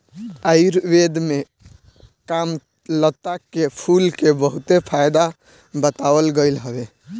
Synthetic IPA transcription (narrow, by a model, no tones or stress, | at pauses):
əɪɾbed̪me | kam | lət̪ːakepʰulkebəɦut̪epʰajd̪a | bət̪abəlɡəɪlɦəbe